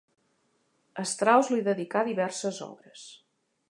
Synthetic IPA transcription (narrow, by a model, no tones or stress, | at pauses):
əst̪ɾawzliðəðikaðiβɛɾsəzɔ̰βɾəs